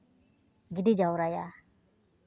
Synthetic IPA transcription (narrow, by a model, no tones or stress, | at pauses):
ɡiɖid͡ʒawɾaja